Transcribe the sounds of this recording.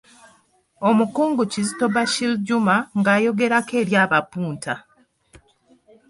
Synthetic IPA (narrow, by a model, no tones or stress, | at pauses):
o̞mukuːŋɡucizito̞βaʃilɟumaŋɡaːjo̞ɡe̞ɾake̞ːɾjaːβapuːntʰa